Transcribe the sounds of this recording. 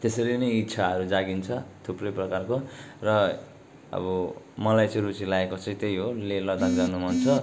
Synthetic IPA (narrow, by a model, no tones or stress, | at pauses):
t̪esʌɾinʌjit̪ːsʰaɦʌɾud͡zaɡint͡sʰʌt̪ʰuprʌjprʌkarkorʌ | ʌ̰bʌ | mʌlajt͡sʌ̃j̃rut͡silaekot͡sʌ̃ĩt̪ejɦolelʌd̪akd͡zanumʱʌnt͡sʰʌ